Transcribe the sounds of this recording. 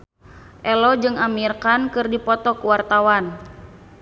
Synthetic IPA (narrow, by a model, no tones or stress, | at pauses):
ʔɛlɔd͡ʒɨŋamirkankɨrdipɔt̪ɔkuwart̪awan